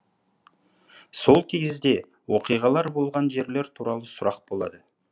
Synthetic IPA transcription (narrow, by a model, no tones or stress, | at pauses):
so̞lˠkʲʰeɡʲɪzd̪e̞ | wo̞qijʁɑlˠɑɾbo̞lˠʁɑnʒe̞ɾle̞ɾt̪ʰuɾɑlˠəsʊɾɑq̚bo̞lˠɑd̪ə